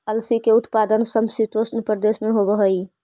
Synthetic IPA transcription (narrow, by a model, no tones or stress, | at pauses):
əlsikeut̪pad̪ənsəmsit̪osnpəɾd̪esmeɦobəɦəj